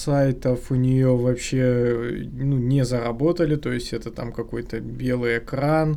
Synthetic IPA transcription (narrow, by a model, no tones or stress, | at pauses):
sajt̪əfʊnʲɪjovɐpɕːe | nunʲɪzəɾɐbo̞t̪əlʲɪt̪o̞jɪsʲtʲɛt̪ət̪a̰mkɐko̞jt̪əbʲe̞lˠɨjɪkɾan